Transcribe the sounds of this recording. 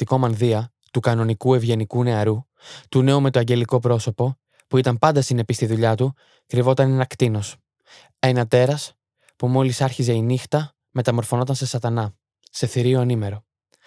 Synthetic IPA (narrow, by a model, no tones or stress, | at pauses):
t̪iko̞mɐnðiɐ | t̪ukɐno̞nikue̞vʝe̞nikune̞ɐɾu | t̪une̞ume̞t̪oɐɲɟe̞liko̞pɾo̞so̞po̞ | puit̪ɐmpɐnd̪ɐsine̞pist̪iðuʎɐt̪u | kɾivo̞t̪ɐnenɐkt̪ino̞s | e̞nɐt̪e̞ɾɐs | pumo̞lisɐɾçize̞inixt̪ɐ | me̞t̪ɐmo̞ɾfo̞no̞t̪ɐnse̞sɐt̪ɐnɐ | se̞θiɾioɐnime̞ɾo̞